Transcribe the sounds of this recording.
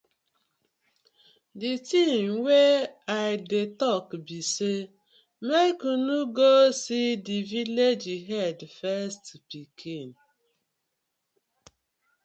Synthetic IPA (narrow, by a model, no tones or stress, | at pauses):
ditimweaɪdetɔkbise | mekunuɡosidiviled͡ʒiɦɛdfɛstpikʰin